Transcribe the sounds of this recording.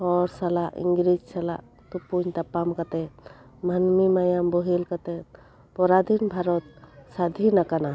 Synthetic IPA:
hɔɾsalaʔḭŋɡɾid͡ʒsala̰ʔ | t̪upuɲt̪apamkat̪ɛ | manmimajambɔɦilkat̪ɛ | pɔɾad̪ʱinbʱaɾɔt̪̚sad̪ʱinakana

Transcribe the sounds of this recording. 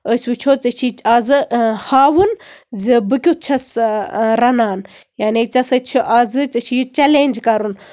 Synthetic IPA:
əsʲwut͡ʃʰoːt͡sɐt͡ʃʰit͡ʃazɨhaːwɨnzibɨkʲut̚t͡ʃʰɐsɾɐnaːn | jaːnet͡sɐsɐt͡ʃʰiʔaːzɨt͡sɐt͡ʃʰijit͡ʃɐlenʲd͡ʒkɐɾun

